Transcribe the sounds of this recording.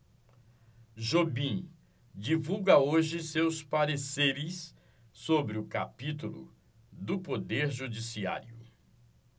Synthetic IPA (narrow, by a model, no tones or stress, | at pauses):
ʒobĩ | d͡ʒivuɡɐoʒɪsewspaɾeseɾɪsː | obɾɪʊkapit̪ulʊ̰ | d̪ʊpod̪eɾʒud͡ʒisia̰ɾjʊ